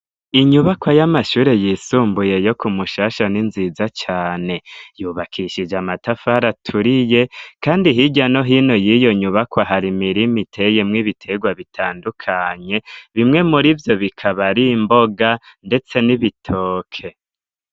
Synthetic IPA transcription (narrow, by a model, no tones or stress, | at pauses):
iɲuβakwajamaʃuːɾe̞jiːsuːmbuje̞jo̞kumuʃaːʃaninziːzat͡ʃaːne̞juːβakʰiʃid͡ʒamatafaɾatʰuɾije̞kaːndiɦiɟano̞ɦiːno̞jijo̞ɲuβakwaɦaɾimiɾimitʰe̞jemŋiβitʰe̞ɡwaβitʰaːndukʰaɲe̞βimŋe̞muɾivjo̞βikʰaβaɾimbo̞ɡande̞t͡se̞niβitʰoːkʰe̞